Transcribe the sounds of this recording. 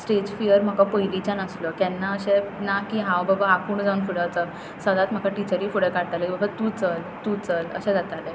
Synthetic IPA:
sʈed͡ʑfijəɾm̤əkapəjlit͡ɕanəsləkɛnːaəɕɛ̃nakĩɦãwbəbaakuːɳd͡zaunfiɽət͡sə | səd̪at̪m̤əkʰaʈit͡ɕəɾiːfuɽəkaɽt̪alɛĩbəɡat̪ut͡səlt̪ut͡sələ̰ɕɛ̃d͡zat̪alɛ

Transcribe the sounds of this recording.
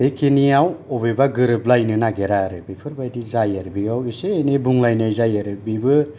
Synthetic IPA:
ejkʰiniawɔbebaɡɯɾɯblajnɯnaɡeɾaɾɯbipʰɯɾbajdizajaɾbiɡawiseːnebuŋlajnɯjzajaɾɯbibɯ

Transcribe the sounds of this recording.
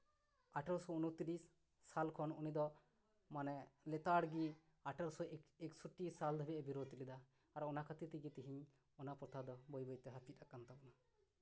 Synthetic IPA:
aʈɔlsɔunut̪iɾisː | alkʰɔnunid̪ɔ | manɛlɛt̪aɽɡi | aʈəlsɔɛksuʈːisald̪ʱɔbɛʔɛbiɾot̪ilid̪aː | ɾɔnakʰat̪it̪iɡit̪iɦiɲ | ɔnapɾɔt̪ʰad̪ɔbɔjbɔjt̪ɛɦapʰit̪̚akant̪abɔna

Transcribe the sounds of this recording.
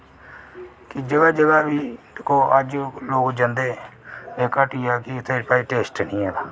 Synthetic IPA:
kid͡ʒəɡaːd͡ʒəɡaːbiːt̪koːʔəd͡ʒloːɡd͡ʒə̃nd̪eːeːkaːʈiːjaːkit̪eːɾpaːiʈeːsʈnĩːɛːk̪a

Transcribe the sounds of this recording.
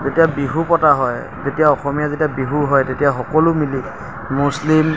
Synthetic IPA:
zetijabiɦupɔtaɦɔj | tetijaɔxɔmijazetiabiɦuɦɔjtetijaxɔkɔlʊmili | muslim

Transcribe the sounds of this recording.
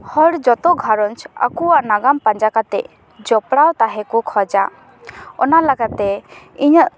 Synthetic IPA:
hɔɽd͡ʒɔt̪ɔɡʱaɾɔnt͡ʃa̰kuaʔnaɡampaɲd͡ʒakat̪ɛ̰ʔ | d͡ʒɔpɽawt̪aɦɛkukʰɔd͡ʒa | ɔ̰nalaɡat̪ɛ | iɲəʔ

